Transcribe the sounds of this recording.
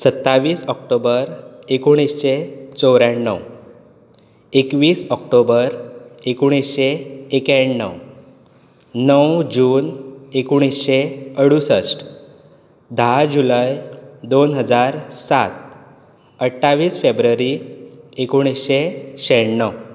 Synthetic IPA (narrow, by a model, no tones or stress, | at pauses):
sət̪ːaʋiːsɔkʈobəɾekuɽ̃isɕet͡sɔwɾaɳːə̰w | ekʋiːsɔkʈobəɾekuɽ̃isɕeːkaɳːə̰w | nəwd͡ʑuːnekuɽ̃isɕeəɽusəsʈ | d̪ʱad͡ʑulajd̪onɦəd͡zaɾsat̪̚ | əʈʰːaʋiːsfebɾəɾiekuɽ̃isɕeɕeɳːəw